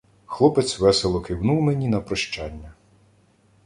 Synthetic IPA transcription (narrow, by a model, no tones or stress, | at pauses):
xlˠɔpet̪sʲʋɛselˠɔkɪwnuwmenʲinɐpɾɔʃt͡ʃɑnʲːɐ